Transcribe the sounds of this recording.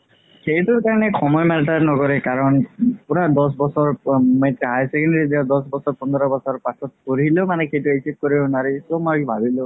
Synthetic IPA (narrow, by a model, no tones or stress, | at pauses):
xejtʊɹkaɹɔnɛxʰɔmɔjmataɹnɔkɔɹɛkaɹɔnpuɹadɔs̬bɔsɔɹmetɦajsɛkɛndɾidiadɔsbɔsɔɹpɔndʱɾɔbɔsɔɹpasʰɔt̚pɔɹilomanɛxejtʊesip̚kɔɹiʊnaɹisomojbʱabilʊ